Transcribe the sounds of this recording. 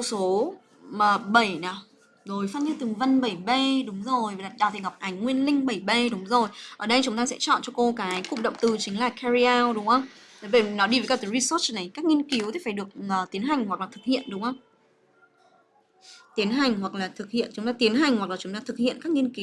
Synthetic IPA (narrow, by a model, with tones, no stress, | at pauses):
wso˨˦ | məː˨˩ɓə˧˩jnaː˨˩˦w | zo˨˩jfaː˧˥nɲɨ˧t̪ɨ˨˩ŋvə˧nɓə˧˩jɓe˧ɗʊ˨˦ŋ͡mzo˨˩ja˨˩ɗaː˨˩t̪ʰi˨˩ŋ˨˩wk͡p̚ʔa˨˦jŋ̟ŋwi˧ənlï˧ŋ̟ɓə˧˩jɓe˧ɗʊ˨˦ŋ͡mzo˨˩jʔəː˧˩ɗə˧jt͡ɕʊ˨˦ŋ͡mt̪aː˧sɛ̰˧˥t͡ɕɔ̰˧˨nt͡ɕɔ˧ko˧kaː˨˦jkʊ̰˧˨ŋ͡mɗə̰˧˨wŋ͡mt̪ɨ˧˩t͡ɕï˨˦ŋ̟laː˨˩kʰɛ˧zi˧aː˧wɗʊ˨˦ŋ͡mhə˧wŋ͡m | ɓə˨˦ve˧˩nɔ˨˦ɗi˧vəː˨˦kaː˦˧˩t̪ɨ˨˦ɹi˧səː˦˥t͡ɕna˨˩jkaː˦˥k̚ŋi˧ənki˨˦wt̪ʰi˨˩faː˧˩jɗɨ˨˩ək̚əː˨˩t̪i˨˦ənɦa˨˩jŋ̟hwa˨˩k̚laː˨˩t̪ʰɨ˨˩k̚hḭ˧˨ənɗʊ˨˦ŋ͡mhə˧wŋ͡m | t̪i˨˦ənɦa˨˩jŋ̟hwa˨˩k̚laː˨˩t̪ʰɨ˨˩k̚hḭ˧˨ənt͡ɕʊ˨˦ŋ͡mt̪aː˧t̪i˨˦ənɦa˨˩jŋ̟hwa˨˩k̚laː˨˩t͡ɕʊ˨˦ŋ͡mt̪aː˧t̪ʰɨ˨˩k̚hḭ˧˨ənkaː˦˥k̚ŋi˧ənki˨˦w